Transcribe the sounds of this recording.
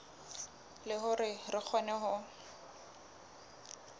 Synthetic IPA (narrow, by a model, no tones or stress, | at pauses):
lɪɦʊɾɪrɪk͡xʰɔnɛɦʊ